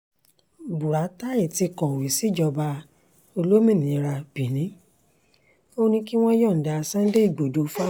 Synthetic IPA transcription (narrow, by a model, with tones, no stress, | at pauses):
bu˨ɾa˨˦ta˦i˦˨ti˧˨kɔ̃˨wi˨si˦d͡ʒɔ˧ba˧ | o˧lo˦mĩ˦˨nĩ˨˧ɾa˧b̥i˨nĩ˨˦ | o˦nĩ˧ki˦w̃ɔ̃˦jɔ̃˦˨n̩˨da˧sã˦de˦i˦˨ɡ͡bo˨do˨˦fa˦